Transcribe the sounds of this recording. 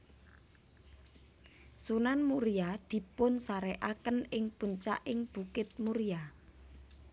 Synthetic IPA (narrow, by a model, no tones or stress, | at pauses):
sunanmuɾijad̪̥i̤pʊnsaɾɛʔakənɪŋb̥ṳɲt͡ʃa̰ʔɪŋb̥ukɪt̪̚muɾia